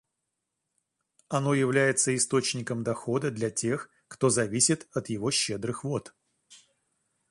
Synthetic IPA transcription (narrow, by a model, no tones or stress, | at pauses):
ɐno̞jɪvlʲæjɪt̪səɪst̪o̞t͡ɕnʲɪkəmd̪ɐxo̞d̪əd̪lʲɐtʲe̞x | kt̪o̞zɐvʲisʲɪt̪ɐt̪jɪvo̞ɕːed̪ɾɨxvo̞t̪